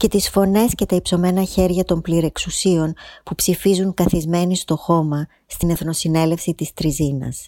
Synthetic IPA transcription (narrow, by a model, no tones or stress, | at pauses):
ce̞t̪isfo̞ne̞sce̞t̪ɐipso̞me̞nɐçe̞ɾʝɐt̪o̞mpliɾe̞ksusio̞npupsifizuŋkɐθizme̞nist̪o̞xo̞mɐ | st̪ine̞θno̞sine̞le̞fsit̪ist̪ɾizinɐ̰s